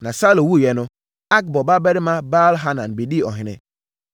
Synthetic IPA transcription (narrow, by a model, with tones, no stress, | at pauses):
nã˨sa˦lõ˨wu˦˨jɛ˨nʊ̃˦ | a˦k̚bɔ˨ba˦bɛ˦ɾɪ˦mã˦ba˦lɦa˦nã˨nbe˨di˦˨ɔ˨ɦɪ̃˨nɪ̰̃˦